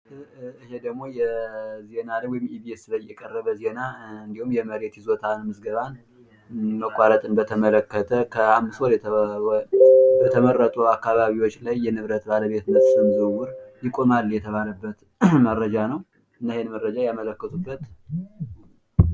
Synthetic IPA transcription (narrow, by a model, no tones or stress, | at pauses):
ɨhed̪əɡmo̞jɛze̞naljwɔjɪmiβiesɨləjːɛkʼərːəβəze̞naɨnd̪ihumjɛməɾet̪jizo̞t̪ʰanmɨsɡəβan | məkʼaɾət̪ʼɨnbət̪ʰəmələkːət̪ʰəkʰəamːɨswolɛ | bət̪ʰəmərːət̪ʼuakːaβaβiwot͡ʃːlajːɛnɨβɾət̪baləβe̞t̪nəsʼɨmzɨwuɾjɪkʼo̞malːjɛt̪ʰəβaləbːət̪ | mərəd͡ʒanəw | ʔɨnːəhenmərːəd͡ʒajamələkːət̪ʰubːət̪